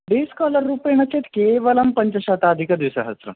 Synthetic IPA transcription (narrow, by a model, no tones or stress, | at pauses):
ɖ̪iskɔləɾːupejnət͡ɕet̪keʋəlɐmpəɲt͡ɕəɕat̪aːd̪ʱikəd̪ʋisəɦəst̪ɾə̰